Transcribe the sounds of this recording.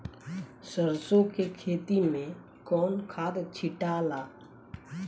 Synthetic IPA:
səɾsõkekʰeːt̪imẽ | kɔːnkʰaːd̪t͡ʃʰɪʈaːlaː

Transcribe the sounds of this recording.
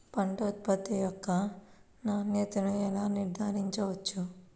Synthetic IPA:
pɐɳʈoːt̪̚pɐt̪ːijɔkːɐ | naːnjɛːt̪ɐnuɛlaːniɾd̪ʱaːɾiɲt͡ʃɐʋɐt͡ʃːu

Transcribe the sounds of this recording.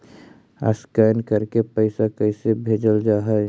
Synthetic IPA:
a̰skajnkəɾkepəɪsakəɪsebʱeːd͡ʒəld͡ʒaːɦɛɛ

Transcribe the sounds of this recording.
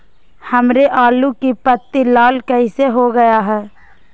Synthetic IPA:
həmɾeʔaːlukipət̪ːilaːlkəɪseɦoɡəjaɦɛː

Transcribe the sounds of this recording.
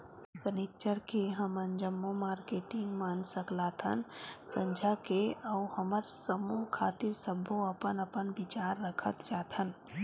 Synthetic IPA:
səneːk̚t͡ʃəɾkeɦɐmənd͡ʒəmːomaːɾkeːʈɪ̃ŋɡmansəklaːt̪ʰɦə̰nsə̃ɲd͡ʒʱakeɐʊhɐməɾsəmukʰaːt̪ɪɾsəbʱoɐpənɐpənʋɪt͡ʃaːɾːəkʰə̰t̪d͡ʒaːt̪ʰɦən

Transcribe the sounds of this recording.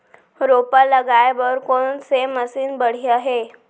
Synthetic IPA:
ɾopələɡajbəɾkoɳseməsiːnbəɽ̤iaɦe

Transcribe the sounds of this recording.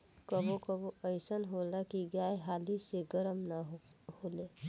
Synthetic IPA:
kəbõkəbõəɪsənɦolakiɡaːjɦaːliseɡəɾəmnaɦhoːle

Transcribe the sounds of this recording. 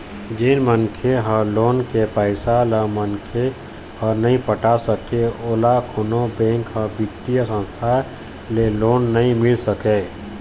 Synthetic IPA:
d͡ʒeːnmənkʰeɦəloːnkepəɪsaləmənkʰe | hənəɦĩpəʈasəkeoːlakʰʊnõbẽːŋkɦəbɪt̪ːijəsə̃nst̪ʰa | leloːnːəɦĩmɪlsəkeː

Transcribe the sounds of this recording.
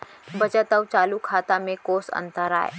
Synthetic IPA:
bɐt͡ʃət̪ɐwt͡ʃaːlukʰaːt̪amẽkoːsɐ̰̃nt̪əɾa̰ːḛ

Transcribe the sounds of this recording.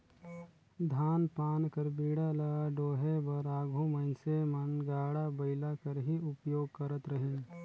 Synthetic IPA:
d̪ʱaːnpaːnkəɾbiːɽalɐɖoːɦebɐɾaːɡʱũmɐnsemɐnɡaːɽabɐɪlakɐɾɦiʊpjoːɡ̚kɐɾət̪ɾɐɦẽː

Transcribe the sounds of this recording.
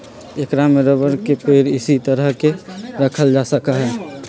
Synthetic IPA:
ekɾameɾəbəɾkepeːɾɪsit̪əɾəɦkeɾəkʰəld͡ʒasəkaɦɛː

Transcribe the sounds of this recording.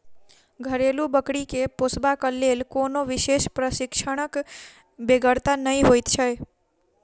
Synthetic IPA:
ɡʱəɾelũbəkɽikeposbakəlːelkonoʋɪʃeʃpɾəsɪkʃəɽ̃ək | beɡəɽt̪anəɦĩɦojt̪t͡ʃʰəj

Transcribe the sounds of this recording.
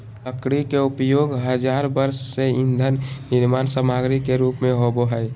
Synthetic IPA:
t̪əkɽikeupjoɡɦəd͡ʒaɾbəɾsːeind̪ʱənːiɾmansəmaɡɾikeɾupmeɦoboɦəj

